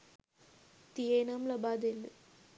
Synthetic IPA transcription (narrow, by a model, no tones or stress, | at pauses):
t̪ijeːnamlɐbaːd̪elːɨ̰